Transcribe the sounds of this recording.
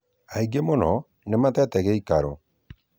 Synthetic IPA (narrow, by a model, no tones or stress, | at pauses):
aiɡemonɔ | nematɛtɛɣɛikaɾɔ